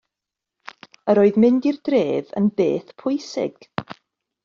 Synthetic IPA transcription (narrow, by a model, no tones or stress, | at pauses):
əɾoːɨðmɪndirdreːðə̰nbḛːθpʰʊjsɪ̰ɡ̥